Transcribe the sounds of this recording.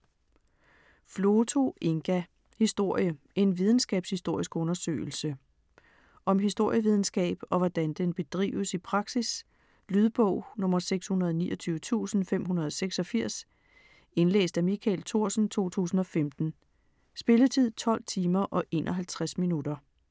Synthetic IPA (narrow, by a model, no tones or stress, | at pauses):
flo̝ːt͡sʰo̝e̝ŋɡ̥æ | hisd̥o̝ɐ̰jə | e̝nʋið̞ˠn̩sɡ̥ɛ̰ːb̥shisd̥o̝ɐ̰isɡ̥ɔ̽nɐsø̰ːɪl̩sə | ʔɒ̽mɦisd̥o̝ɐ̰jəʋið̞ˠn̩sɡ̥ɛ̰ːb̥ɒ̽ʋɒd̥ænd̥enb̥e̝d̥ʁḭːʊəsipʰʁɑ̈ɡ̥sis | lyðˠb̥ɔʊ̰nɔ̽mɐseɡ̥shunɐðˠɒnḭːɒt͡sʰyːʊət͡sʰṵːsn̩fem̰ɦunɐð̞ˠɒseɡ̥sɒ̽fiɐ̰s | e̝nlḛːsd̥æmikʰæ̰lt͡sʰo̝ɐ̰sn̩t͡sʰo̝̰ːt͡sʰṵːsn̩ɒ̽femd̥n̩ | sb̥e̝lət͡sʰið̰ˠt͡sʰɒ̽l̰t͡sʰiːmɐʔɒ̽ʔe̝̰ːnʔɒ̽ɦælt͡sʰʁasminud̥ɐ